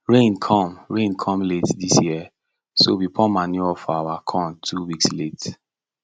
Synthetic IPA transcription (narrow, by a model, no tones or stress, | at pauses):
ɹẽnkʰɔ̃mɹẽnkʰɔ̃mletdisjiɛ | sobipɔmanjuɔfawakʰɔ̃mtʰuwikslet